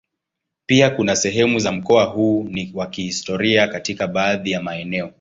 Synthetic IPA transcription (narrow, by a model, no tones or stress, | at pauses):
piakunasɛɦɛmuzam̩kɔaɦuːniwakihistɔɾiakatikaɓaːðijamaɛnɛɔ